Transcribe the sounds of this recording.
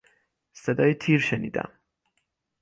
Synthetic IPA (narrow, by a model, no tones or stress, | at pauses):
se̞d̪ɒːjet̪ʰiːɾʃeniːd̪æ̰m